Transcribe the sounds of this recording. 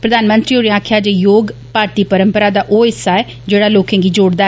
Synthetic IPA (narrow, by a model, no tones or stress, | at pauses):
pɾəd̪aːnmənt̪ɾiːɦoːɾĩaːkʰjaːd͡ʒeːjoːɡpaːɾʈ̪iːpəɾə̃mpəɾaːd̪aːʔoːɪsaɛː | d͡ʒeːɽaːloːkẽːŋɡiːd͡ʒʊːɽd̪aː